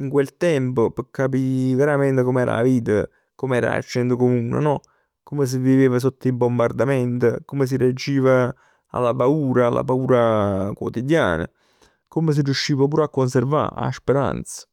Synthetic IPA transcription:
iŋkwelt̪ɛmpopəkːap̬iveɾamɛnt̪ekomɛːɾa̰a̰viːt̪ə | komɛːɾa̰a̰t͡ʃːɛnt̪okomuːnḛnɔ | kːomes̬ɪvːiveːvas̬ot̪ːibombard̪ament̪okomes̬iread͡ʒːiːva | a̰lːapauːɾaːlːa̰pauːɾakwot̪id̪ja̰ːnə̰ | komes̬ɪrjuʃːiːvapuːɾakːons̬erva̰a̰speɾa̰nt̪sə̥

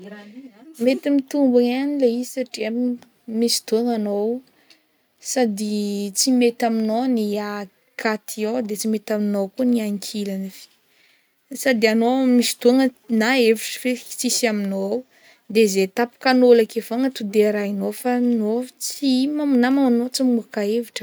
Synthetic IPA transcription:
met̪imit̪umbaŋanileizsaʈ͡ʂia | misi̥t̪uŋanow | sad̪it͡simet̪aminonia | kʰat̪ʰiod̪et͡simet̪aminowkuniaŋkʰilanifi̥ | sad̪ianomisi̥t̪uŋənaeviʈ͡ʂə̥fei̥t͡sisaminow | d̪ezet̪apu̥kanolakefaŋət̪ud̪eɾainofanot͡simamnamamanot͡simuakaeviʈ͡ʂə̥

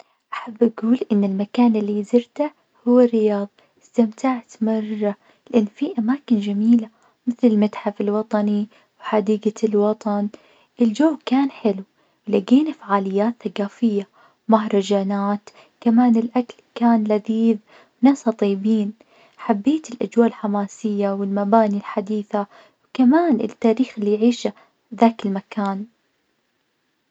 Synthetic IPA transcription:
ʔaħabːʔaɡuːlʔɪnːɪlmakaːnɪlːizɪɾt̪a | hʊwːarːɪjɑːðˤɑ | ɪst̪amt̪aʕt̪mɑrˤːɑ | lɪʔanːfiʔamaːkɪnd͡ʒamiːla | mɪθlɪlmat̪ħafɪlwɑt̪ˤɑni | wħad̪iːɡalwɑt̪ˤɑn | ʔɪld͡ʒowkaːnħɪlu | wlaɡeːnafaʕaːlɪjːaːt̪θaɡaːfɪjːa | maɦɾˤɑd͡ʒaːnaːt̪ | kamaːnɪlʔaklkaːnlaðiːð | wnaːsɑt̪ˤiːbiːn | ħabːeːt̪ɪlʔad͡ʒwaːlħamaːsɪjːawɪlmabaːnilħad̪iːθa | wkamaːnʔɪ̰t̪ːaːɾiːxɪlːijʕiːʃa | ðaːkɪlmakaːn

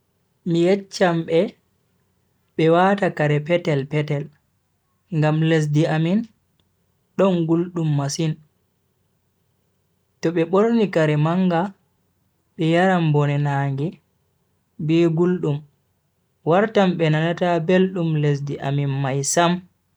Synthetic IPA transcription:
mijɛt͡ʃːamɓɛ | ɓɛwatakaɾɛpɛtɛlpɛtɛl | ŋɡamles̬diamin | ɗɔnɡulɗumːasin | tɔɓɛɓoɾnikaɾɛmaŋɡa | ɓɛjaɾambɔnɛnaːŋɡɛ | bɛɡulɗum | waɾtamɓɛnanatabelɗumles̬diʔaminmajsam

